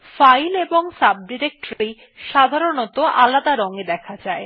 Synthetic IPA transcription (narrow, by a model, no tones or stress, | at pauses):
fajleboŋsab̚ɖiɾek̚ʈoɾɾi | ʃad̪ʱaɾonot̪oʔalad̪aɾoŋed̪ɛkʰad͡ʑae